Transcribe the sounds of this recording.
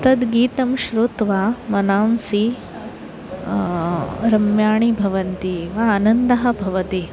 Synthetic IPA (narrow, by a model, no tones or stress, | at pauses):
t̪ɐd̪ɡiːt̪ɐmʃɾuːt̪ʋaːmɐnaːmsi | ɾɐmjaːɳibʱɐʋɐnt̪iʋaːnɐnd̪ɐɦɐ̆bʱɐʋɐt̪i